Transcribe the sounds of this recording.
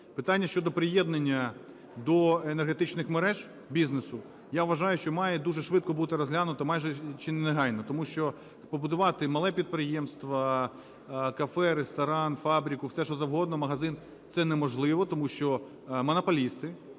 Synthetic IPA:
pɪt̪anʲːɐʃt͡ʃɔd̪ɔpɾɪjɛd̪nenʲːɐ | d̪ɔenerɦet̪ɪt͡ʃnɪxmeɾɛʒ | bʲiznesʊ | jaʋʋɐʒɑjʊʃt͡ʃɔmɑjɛd̪uʒɛʃʋɪt̪̚kɔbut̪ɪɾɔzɦlʲanʊt̪ɐɔmɑjʒɛt͡ʃɪneleɦɑjʲnɔt̪ɔmuʃt͡ʃɔ | pɔbʊd̪ʊʋɑt̪ɪmɐlˠɛpʲid̪̚pɾɪjemst̪ʋɐ | kɐfɛɾest̪ɐɾɑnfɑbɾʲikʊwsɛʃɔzɐwɦɔd̪nɔmɐɦɐzɪn | t̪sɛnɛmɔʒlˠɪʋɔt̪ɔmuʃt͡ʃɔ | mɔnɐpɔlʲist̪ɪ

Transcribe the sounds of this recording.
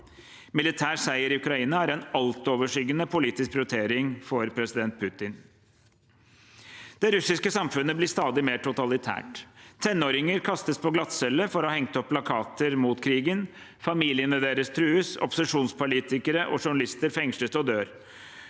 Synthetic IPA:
mɪlɪt̪ʰæːʂæɪəɾɪʉkɾɑiːnɑæɾɛnɑlt̪oːʋəʂʏɡənəpʰʊliːt̪ɪskɾʊt̪ʰeːɾɪŋfɔɾpʰɾɛsɪd̪ɛnt̪̚pʰʉt̪ɪn | d̪̥ɛɾʉsɪskəsɑmfʉnəblɪst̪ɑːd̪ɪmeːʈʰʊt̪ɑlɪt̪ʰæ̰ːʈt̪ʰɛnːoːɾɪŋəɾkʰɑst̪əspʰɔɡlɑt̪sɛlːəfɔɾɔhɑhɛŋt̪əɔppʰːlɑkʰɑːt̪əɾmuːt̪kʰɾiːɡən | fɑmiːlɪənəd̪eːɾəst̪ʰɾʉːəsɔ̰pʊ̥səʂuːnspʰʊliːt̪ɪkəɾəʔɔ̰ʂʊɳɑlɪst̪əɾfɛŋʂləsɔd̪øːɾ

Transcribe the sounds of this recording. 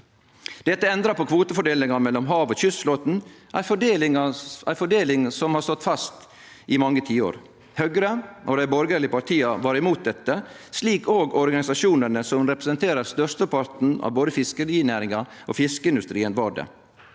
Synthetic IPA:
d̪̥ɛt̪ːəɛnd̪ɾɑpɔkʰʋuːt̪əfɔɖeːlɪŋɑmɛlːɔmɦɑːʋoːçʏsfloːt̪n̩ʔæɪfɔɖeːlɪŋɑæɪfɔɖeːlɪŋsɔmhɑst̪ɔt̪ːfɑst̪ | ʔɪmɑŋːət̪ʰiːo̰ːɾ | høɡɾəʔod̪æɪbɔɾɡəɾlɪəpɑʈ̪ʰiːɑʋɑːɾɪmuːt̪̚d̪ɛt̪ːə | sliːkoːɡɔɾɡɑnɪsɑʂuːnənəsɔmɾɛpɾəsənt̪ʰeːɾəɾst̪œst̪əpʰɑɾt̪n̩ɑ̰ːʋboːd̪əfɪskəɾiːnæːɾɪŋɑʔo̰ːfɪskəɪnd̪ʉst̪ɾiːənʋɑːɖə̰

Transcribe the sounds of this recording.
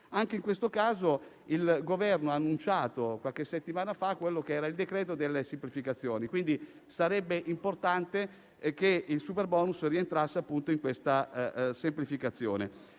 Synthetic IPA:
aŋkeiŋkwest̪okaːzo | ilɡovɛrnoaːnːunt͡ʃaːt̪okwalkesːet̪ːimaːnafakːwelːokeɛːɾaild̪ekɾɛːt̪od̪elːesemplifikat̪sːjoːnikwind̪i | saɾɛbːeʔimport̪ant̪e | k̟eilsuperbɔːnusrient̪ɾasːeapːunt̪oiŋkwest̪asemplifikat̪sːjo̰ːnḛ

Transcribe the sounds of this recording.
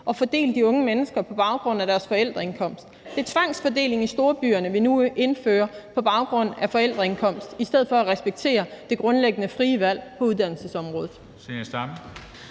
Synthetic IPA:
ʔɒ̽fɒ̽d̥e̝̰ːld̥iɔ̽ŋəmenəsɡ̥ɐpʰɒ̽b̥ɑ̈ʊɡ̥ʁɔ̽n̰æɾ̥æɐsfɒ̽el̰d̥ʁɐe̝nkʰɒ̽m̰sd̥d̥e̝æɐt͡sʰʋɑ̈ŋ̰sfɒ̽d̥e̝̰ːle̝ŋisd̥o̝ːɐb̥y̰ːɐnəʋinue̝nføːɐpʰɒ̽b̥ɑ̈ʊɡ̥ʁɔ̽n̰æfɒ̽el̰d̥ʁɐe̝nkʰɒ̽m̰sd̥isd̥eð̞̰̩ˠfɒ̽æʁɛsb̥eɡ̥̚t͡sʰe̝̰ːɐd̥e̝ɡ̥ʁɔ̽nleɡ̥ənəfʁiːəʋæl̰pʰɒ̽uðˠd̥æn̰l̩səsɒ̽mʁɔ̽ːðð̩ˠ | sesd̥ɑm

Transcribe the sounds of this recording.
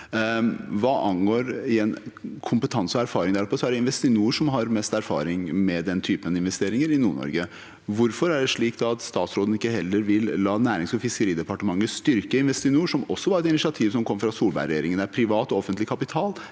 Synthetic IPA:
ʋɑːʔɑnɡoːɾɪɛnkʰʊmpət̪ʰɑnsəɔæɾfɑːɾɪŋd̪æɾɔpʰːɔsɔæɖɛɪnʋɛst̪ɪnuːəʂɔmɦɑɾmɛst̪æɾfɑ̰ːɾɪŋmɛd̪ɛnt̪ʰyːpənɪnʋɛst̪eːɾɪŋəɾɪnuːɳɔ̰ɾɡə | ʋʊɾfɔɾæɖɛʂɭiːkd̪ɑt̪st̪ɑːt̪sɾoːd̪n̩ɪkːəɦɛlːəɾʋɪllːɑːnæːɾɪŋsɔfɪskəɾiːd̪ɛpɑʈəmɑŋːəst̪ʏɾkəɪnʋɛst̪ɪnuːʂɔmɔsːɔʋɑːɛt̪ɪnɪsɪɑt̪ʰiːʋsɔmkʰɔmːəfɾɑsuːlbæ̰ɪɾɛjeːɾɪŋənæɾpʰɾɪʋɑːt̪ɔɔfənt̪lɪkʰɑpɪt̪ʰɑːl

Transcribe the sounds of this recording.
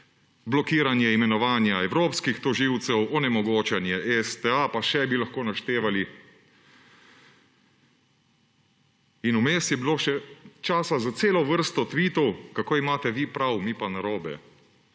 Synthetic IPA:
blɔkiːɾanjɛimɛnɔʋaːnjaɛwɾoːpskixt̪ɔʒiwt̪sɛwɔnɛmɔɡoːt͡ʃɛnjɛʔɛst̪ɛapaʃɛbilaxkoːnaʃt̪eːʋali | inumeːsjɛbiloːʃɛt͡ʃaːsazat̪seːlɔʋəɾst̪ɔt̪ʋiːt̪ɔwkakoːimaːt̪ɛʋipɾawmipanaɾoːbɛ̰

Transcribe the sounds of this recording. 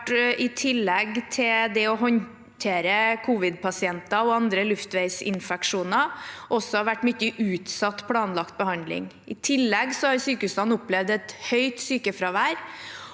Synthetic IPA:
ʈɪt̪ʰɪlːɛɡt̪ʰɪld̪ɛɔɦɔn | t̪ʰeːɾəkʰuːʋɪd̪̚pʰɑsɪɛnt̪ɑɔɑnd̪ɾəlʉft̪ʋæɪsɪ̰nfɛkʂuːnɑʔɔsːɔhɑʋæʈːmʏtːəʔʉːt̪sɑt̪ːpʰlɑːnlɑkt̪̚bəhɑnd̪lɪ̰ŋ | ɪt̪ʰɪlːɛɡsɔhɑɾsyːkʉst̪ɑnʊpːlɛʋd̪ɛt̪hœʏt̪syːkəfɾɑʋæːɾ

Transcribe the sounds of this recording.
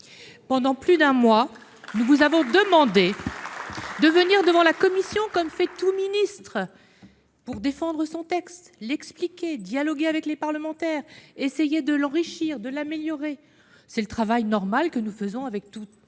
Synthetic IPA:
pɑ̃d̪ɑ̃plyd̪ɛ̃mwa | nuvuzavɔ̃d̪əmɑ̃d̪e | d̪əvəniʁd̪əvɑ̃lakɔmisjɔ̃kɔmfɛt̪uminist̪χə | puʁd̪efɑ̃d̪ʁəsɔ̃t̪ɛkst̪lɛksplikʲed̪jalɔɡʲeavɛklepaʁləmɑ̃t̪ɛːʁesejed̪əlɑ̃ʁiʃiːʁd̪əlameljɔʁe | sɛlət̪χavajnɔʁmalkənufəzɔ̃avɛk̚t̪u

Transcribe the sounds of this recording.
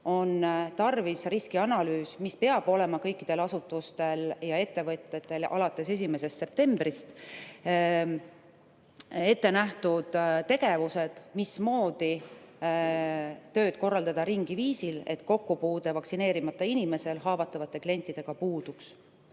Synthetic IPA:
o̞nt̪ɑrvisriskiɑnɑlyːsmispe̞ɑb̥o̞le̞mɑkɤjkːˑid̪̥e̞lɑsut̪ːˑust̪e̞ljɑe̞t̪ːe̞vɤt̪ʲːˑet̪ːˑe̞lɑ̰lɑt̪ːˑe̞se̞s̬ʲime̞se̞st̪se̞p̚t̪e̞mbrist̪ | e̞t̪ːe̞næht̪ud̪̥t̪ːe̞ɡe̞vuse̞d̪̥mismo̞ːd̪̥i | t̪ø̞ːd̪̥̚ko̞rːɑld̪ɑd̪̥ɑɾiŋɡ̥iviːsile̞̰t̪ːko̞kːupuːd̪̥e̞vɑksine̞ːɾimɑt̪ːˑɑinime̞se̞lɦɑːvɑt̪ːˑɑvɑt̪ːˑe̞klie̞nʲt̪ːˑid̪e̞ɡ̥ɑpuːd̪̥uks

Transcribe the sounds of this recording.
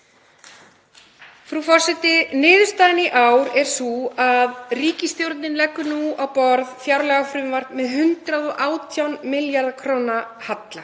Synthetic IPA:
fɾufɔr̥sɛt̪ɪnɪːðʏ̥st̪aːnɪʔaːwɾɛɾ̥suaðriːcɪst̪jowɾt̪nɪnlɛkːʏnuawpɔɾð̥θjawɾlɛɣafɾʏmvar̥t̪mɛðɦʏnt̪ɾaðɔʔaːwt̪ʰjawnmɪljaɾðakʰɾoːwnahat̪la

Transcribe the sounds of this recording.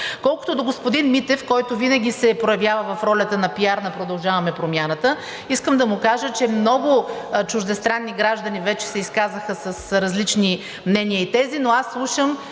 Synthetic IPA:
kɔlˠkʊ̥t̪od̪oɡospod̪inmit̪ɛfkɔjt̪ʊvinɐɡʲisɛpɾojɐvjavəvɐfɾɔlʲɐt̪ənɐpiaɾnɐpɾod̪ɐlˠʒavɐmɛpɾomʲjanət̪ə | iskəmd̪ɐmukaʒət͡ʃɛmnɔɡʊt͡ʃʊʒd̪ɛst̪ɾanːiɡɾaʒd̪ɐnivɛt͡ʃɛ̥sɛiskazəxəsɐsɾɐzlit͡ʃni | mnɛnijəit̪ɛzinoasːlˠuʃəm

